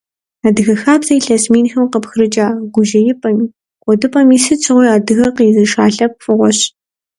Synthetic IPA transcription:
aːdɨɣɐxaːbzɐjɬasmeːnxɐmqəpxɨɾɨd͡ʒaːɡʷʊʒɐjɪpʼɐmiː | qʷʼɔdɨpʼɐmiːsɨt͡ʃʰʼɨʁʷɔjaːdɨɣɐqiːzɐʃaːɬɐp̚fʼɨʁʷɔɕ

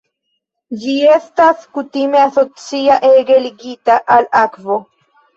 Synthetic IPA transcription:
d͡ʒie̞staskutimeaso̞t͡siaʔeɡeliɡitaʔalakvo

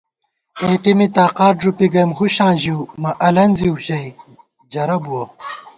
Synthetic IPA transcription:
eːʈimit̪aːqaːʈ̚ʐupiɡɐjmhuɕãːʑiumɐʔɐlɐnziwɕɐj | d͡ʑɐɾɐbuwɐ

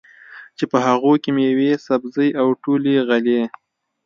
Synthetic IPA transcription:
t͡ʃepəɦaɣokemjawesabzəjawʈoleɣale

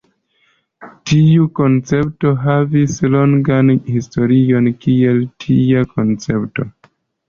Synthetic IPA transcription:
tiuko̞nt͡se̞p̚to̞ɦavislo̞ŋɡanhisto̞ɾio̞nkieltʰiako̞nt͡se̞pto̞

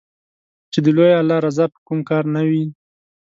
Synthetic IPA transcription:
t͡ʃed̪əlojaalɑɾazɑpə̥kumkɑɾnawi

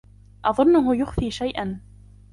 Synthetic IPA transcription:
ʔɑðˤʊnːʊɦʊjʊxfiːʃajʔan

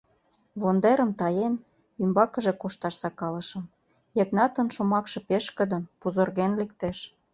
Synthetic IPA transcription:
βond̪eɾə̆mt̪ɑjen | ymbɑkə̆ʒekoʃt̪ɑʃsɑkɑlə̆ʃə̆m | jeknɑt̪ə̆nʃomɑkʃĕpeʃkə̆d̪ə̆npuzorɣenlek̚t̪eʃ

